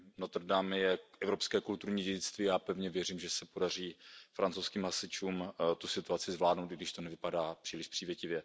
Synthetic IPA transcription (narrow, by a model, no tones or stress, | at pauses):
not̪rdamjɛʔɛvɾo̞pskɛːkult̪uɾɲiːɟɛɟɪt͡st̪viːjaːpɛvɲɛvjɛrimʒɛsɛpo̞dar̝iːfɾant͡sowskiːmɦasɪt͡ʃuːmt̪usɪt̪uat͡sɪzvlaːdnowt̪ɪɡdɪʃt̪onɛvɪpadaːpr̥iːlɪʃpr̥iːvjɛcɪvjɛ